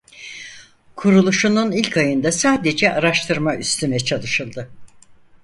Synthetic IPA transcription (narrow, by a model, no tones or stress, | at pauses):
kʰuɾulˠuʃununilʲkʰajɯnd̪asaːd̪e̞d͡ʒɛʔaɾaʃt̪ʰɯɾmaʔyst̪ʰynɛt͡ʃʰalˠɯʃɯlˠd̪ɯ